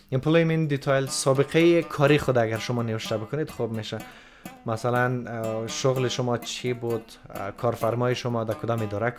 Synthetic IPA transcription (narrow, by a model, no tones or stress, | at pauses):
impʰlomind̪it̪ʰɔjlsɔbiqʰaikʰɔɾiχud̪aɡaɾʃʊmɔneviʃt̪abɪkʰʊned̪χubmeʃa | masalanʃʊʁliʃʊmɔt͡ʃʰibud̪ | kʰɔɾfaɾmɔjiʃʊmɔd̪akʰud̪ɔmid̪ɔɾak